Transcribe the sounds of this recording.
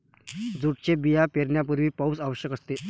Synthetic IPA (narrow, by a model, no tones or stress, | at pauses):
d͡zuʈ̚t͡ɕebijapeɾɳjapuɾʋiːpausaʋəɕjəkəst̪e